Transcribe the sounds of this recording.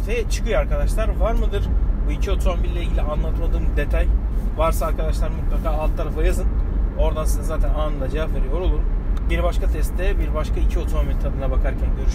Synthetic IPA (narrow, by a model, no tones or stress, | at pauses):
t̪ʰejɛt͡ʃʰɯ̥kɯjaɾkad̪aʃlˠaɾvaɾmɯd̪ɯɾ̥buicʰio̞t̪ʰomobilːʲɛiɟilʲianlˠat̪ʰɯmad̪ɯːmd̪e̞t̪ʰajvaɾsaːɾkʰad̪aʃlˠaɾmut̪lˠakʰaːlˠt̪t̪ːaɾafajazɯno̞ɾd̪ansizɛzaːt̪ʰænaːnɯnlˠad͡ʒavapveɾijo̞ɾo̞lˠuɾbiɾbaʃkʰat̪ʰɛst̪ːɛbiɾbaʃkaicʰio̞t̪ʰomobilʲt̪ʰad̪ɯnabakʰaɾcʰænɟøɾyʃ